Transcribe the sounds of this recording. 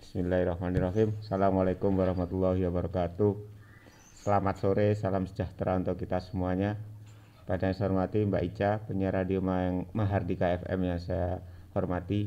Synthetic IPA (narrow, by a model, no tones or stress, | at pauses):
bismilːahrɑhmaniraɦimsalamwalakʊmwaɾɑhmat̪ulːaɦiwabəɾɔkat̪u | səlamat̪̚soɾesalamsə̥d͡ʒaht̪ɾʔaunt̪ukːit̪asəmuaɲa | padaɲasaɦɔrmat̪imba̰ʔit͡ʃapəɲaɾadiomaɛŋmaɦardikaɛfɛ̰mjaŋsajahɔrmat̪i